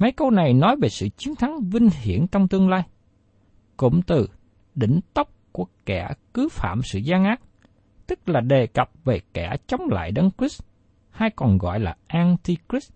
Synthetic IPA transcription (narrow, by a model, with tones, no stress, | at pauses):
mə˨˦jkə˧wna˨˩jnɔ˨˦jve˨˩sɨ̰˧˨t͡ɕi˨˦ənt̪ʰa˨˦ŋvï˧ŋ̟hḭ˧˩ənt͡ɕɔ˧wŋ͡mt̪ɨ˧əŋlaː˧j | kʊ̰˧˨ŋ͡mt̪ɨ˨˩ | ɗḭ̈˧˩˨ŋ̟t̪ə˦˥wp̚ku˧˩əkɛ˧˩kɨ˨˦fa̰ː˧˨msɨ̰˧˨zaː˧ŋʔaː˦˥t̚ | t̪ɨ˦˥k̚laː˨˩ɗe˨˩kə˨˩p̚ve˨˩kɛ˧˩t͡ɕə˨˦wŋ͡mla̰ː˧˨jɗə˨˦nkɹi˦˥s | haː˧jkɔ˨˩nɣɔ̰˧˨jlaː˨˩ʔaː˧nt̪i˧kɹi˦˥s